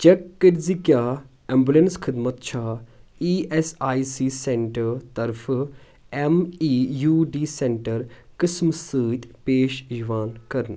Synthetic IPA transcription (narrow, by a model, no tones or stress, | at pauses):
t͡ʃɐkːəɾzikjaː | embulenskʰɪd̪mət̪t͡ʃʰaːiːesaːisiːseɳʈəɾt̪ɐɾfʰ | emijuːɖiːsẽɳʈəɾkɪsmsɨːt̪ʲpeːʃjʋaːnkɐɾən